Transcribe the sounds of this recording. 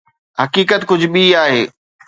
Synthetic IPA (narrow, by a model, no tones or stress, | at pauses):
ɦɐkiːkət̪kʊd͡ʑʱʊɓiaːɦḛː